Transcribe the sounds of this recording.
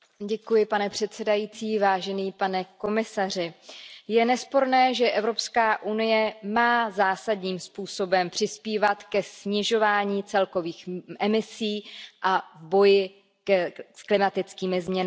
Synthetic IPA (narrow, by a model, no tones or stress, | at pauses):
ɟɛkujɪpanɛpr̝̥ɛt̪sɛdajit͡siːvaːʒɛniːpanɛko̞mɪsar̝ɪjɛnɛspo̞ɾnɛːʒɛʔɛvɾo̞pskaːʔunɪjɛmaːzaːsadɲiːmspuːso̞bɛmpr̝̥ɪspiːvat̪kɛsɲɪʒo̞vaːɲiːt͡sɛlko̞viːxʔɛmɪsiːʔavbo̞jɪ | sklɪmat̪ɪt͡skiːmɪzmɲɛn